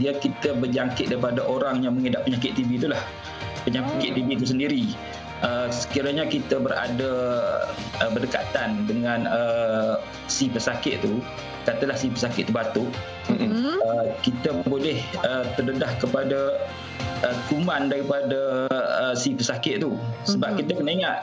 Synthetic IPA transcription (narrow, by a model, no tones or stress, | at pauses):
diakit̪əbəd͡ʒaŋkɪt̪̚daɾipadaʔoɾaŋjaŋməŋedaʔpəɲakɪt̪̚t̪ːibit̪ulah | pəɲãkɪkɪʔ̪̚ibit̪us̬əndiɾi | ʔəsə̥kiɾaɲakit̪əbəɾa̰da | əbərdəka̰t̪andəŋãnə | sipəsakɪʔ̪̚t̪u | kat̪əlahsipəsakɪʔ̪̚t̪ubat̪ʊʔ | əkit̪əbolɛhət̪ərdədahkəpada | ʔək̪umandaɾipadaəsipəsakɪʔ̪̚t̪usəbap̚kit̪əkənaiŋaʔ̪̚